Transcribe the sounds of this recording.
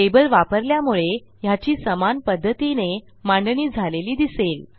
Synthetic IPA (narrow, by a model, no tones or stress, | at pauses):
ebəlʋapəɾljamuɭe | jat͡ɕiːsəmanpəd̪ʱːət̪ine | mãɳɖniːd͡zʱaleliːd̪isel